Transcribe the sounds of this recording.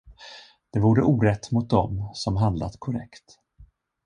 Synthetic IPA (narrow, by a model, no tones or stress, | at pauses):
d̪̥ɛvuːɖəʔuːɾɛt̪ːmʊt̪̚d̪ɔmsɔmɦand̪la̰t̪kʰʊɾɛ̰kt̪